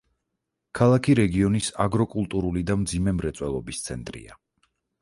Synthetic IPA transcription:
kʰalˠakʰiɾɛɡiɔnisa̰ɡɾɔkʼulˠt̪ʼuɾulid̪amd̪zimɛmɾɛt̪sʼwɛlˠɔbist̪sʰɛnt̪ʼɾḭa

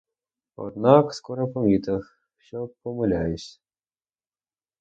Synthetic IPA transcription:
ɔ̰d̪nɑkskɔɾɔpɔmʲit̪ɐx | wɕʲɔpɔmɪlʲajʊsʲ

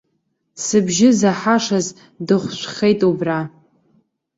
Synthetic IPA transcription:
sɨbʒɪzaħaʂaz | dɨχʷʃʷχejtʼubra

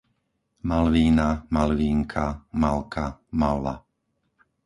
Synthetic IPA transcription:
malʋiːnamalʋiːŋkʰamalkʰamalla̰

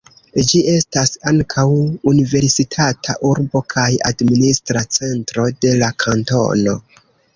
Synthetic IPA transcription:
d͡ʒie̞stasaŋkʰawunive̞ɾsitʰatʰa̰ʔuɾbo̞kʰaja̰dministɾat͡se̞ntɾo̞de̞lakʰanto̞̰no̞

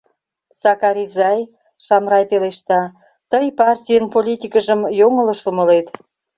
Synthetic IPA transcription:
sɑkɑɾizɑj | ʃɑmrɑjpeleʃt̪ɑ | t̪əjpɑrtʲijənpolʲit̪ʲikəʒəmjoŋəlŏʃumə̆let̪

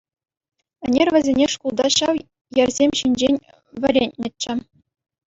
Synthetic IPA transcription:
ɘ̆nʲerʲʋʲɘ̆zʲenʲeʂkulˠd̪ɑɕɑw | jɘrʲzʲemʲɕinʲd͡ʑenʲ | ʋʲɘ̆rʲenʲnʲɘ̆t͡ɕːɘ̆

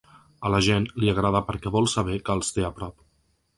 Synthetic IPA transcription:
ələʒenliaɣ̞ɾaðəpəɾkɛβɔlˠsaβ̞ɛkəːlˠst̪eəpɾɔp

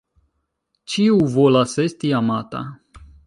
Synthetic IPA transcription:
t͡ʃiuvolasest̪iamat̪a̰

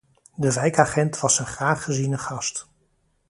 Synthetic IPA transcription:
dəvɛjkaːχɛntʋɑsənχraːχːəzinəχɑst

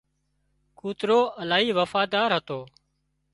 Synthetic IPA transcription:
kuːt̪ɾoːəlaːɦiːʋəfaːd̪aːɾɦət̪oː

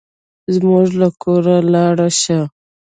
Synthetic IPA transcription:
zmʊʐlakʰoɾalɑɽaʃa

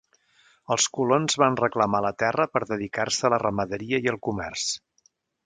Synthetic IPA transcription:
əlˠskulonzβanrəkləmalət̪ɛrəpəɾðəðikarsələrəməðəɾiəiəlˠkumɛrs

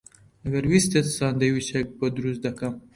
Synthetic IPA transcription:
aɡaɾwist̪et̪sɑnd̪awit͡ʃek̚bəd̪ɾusd̪akam

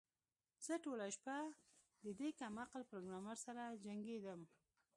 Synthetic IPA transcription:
z̥əʈolaʃpa | d̪əd̪ekamaqlpɾoɡɾɑmaɾsaɾad͡ʒaŋɡed̪əm

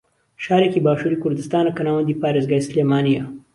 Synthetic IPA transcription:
ʃɑːɾekibɑːʃuɾikʊɾd̪ɪst̪ɑːnakanɑːwand̪ipɑːɾɪzɡajslemɑːnija

